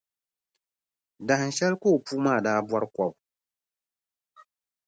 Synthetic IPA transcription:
da˨ha˨n̩˨ʃɛ˦lkoː˦˨puː˦maː˦˨daː˦bwa˦ɾɨ˦kʷɔ˨b

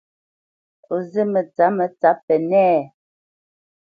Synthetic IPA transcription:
o˨ze˦mə˨t͡sa˨˦mə˨t͡sa˦pɛ˨nɛː˦

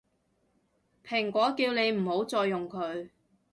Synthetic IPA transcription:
pʰɪ˨˩ŋkʷɔː˨˥kiː˧wne˨˧jm̩˨˩ho˨˥wt͡sɔː˧jːʊ˨ŋkʰɵ˨˧ɥ

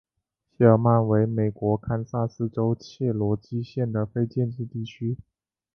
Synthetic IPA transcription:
ɕɛ˥˩ə˥ma˥˩nwe˧˥ɪme˨˩ɪkwɔ˧˥kʰa˥nsa˥˩sɹ̩˥ʈ͡ʂo˥ʊt͡ɕʰjɛ˥˩lwɔ˧˥t͡ɕi˥ɕjɛ˥˩nd̪ə˩fe˥ɪt͡ɕjɛ˥˧nt͡ɕi˥˧t̪i˥˩t͡ɕʰy˥

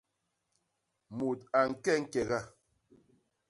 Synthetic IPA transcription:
mo˨ta˨ŋ̩˦˨kɛ˦˨ŋ̩˦kɛ˨ɣa˦˨

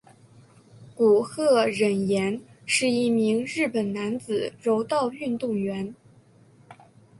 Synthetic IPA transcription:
ku˨˩xɤ˥˩ɻə˨˩njɛ˧˥nʂɻ̩˥˧i˥˩mi˧˥ŋɻɻ̩˥˩pə˨˩nna˧˥nt͡sɹ̩˨˩ɻo˧˥ʊt̪ɑ˥˧ʊy˥˧nt̪ʊ˥˩ŋɥɛ˧˥n

